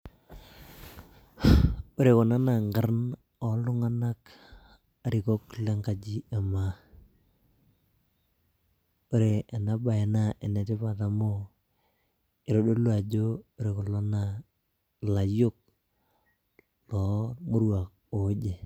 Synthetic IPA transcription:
o˦ɾe˨kɔ˨na˦na˨ŋɡa˦rn | ɔ˨lʊ˦ŋa˦na˦k | a˨ɾɪ˨kɔ˦kle˦ŋɡa˨d͡ʒi˦a˨ma˨ | o˦ɾe˨e˨na˦ba˨ɛ˨na˦ʔɪ˨nɛ˨tɪ˦pa˨ta˨mo˦ | ɪ˨ɾo˨ɗo˦lo˦a˨d͡ʒo˦o˨˦ɾe˨kɔ˨lɔ˦na˨ | la˨jʊ˦k̚ | lɔ˨mʊ˦ɾwa˨k̚ | o˨d͡ʒe˨

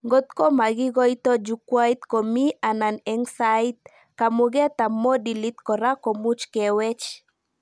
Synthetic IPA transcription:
ŋɡo˦t̪ko˦ma˨ɡɪ˦ɡɔ˦jt̪ɔ˦d͡ʒu˨kwa˦it̪ko˨mi˦a˨na˨nɛ˨ŋsait̪̚ | ka˨muɡɛ˦t̪a˨mo˦di˨li˦t̪kɔ˨ɾa˦ko˨mu˦t͡ʃkɛwɛ˦t͡ʃ

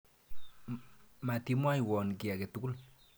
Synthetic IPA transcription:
ma˨t̪imwa˦jwɔ˨nki˨a˨ke˨t̪ʊɡʊ˦l

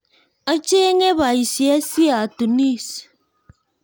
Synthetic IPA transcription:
a˦t͡ʃe˦ŋe˦ba˨i˨sja˦si˦a˨tu˨ni˦s

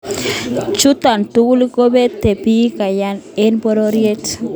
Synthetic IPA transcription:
t͡ʃu˦t̪a˨nt̪u˦ku˦li˦ko˦be˦t̪e˨pi˦ka˨ja˦ne˦nbo˦ɾo˦ɾje˦t

